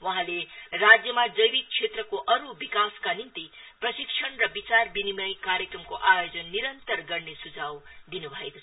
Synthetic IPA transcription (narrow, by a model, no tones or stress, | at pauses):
wʌɦãleɾad͡zjʌmad͡zʌjbik̚kt͡ʃʰet̪rʌkoʔʌɾubikaskanimt̪iprʌsiksʰʌnrʌbit͡sarbinimʌjkaɾjekɾʌmkoʔajod͡zʌnːiɾʌnt̪ʌrɡʌɾnesud͡zʱawd̪inubʱʌek̪ot͡sʰ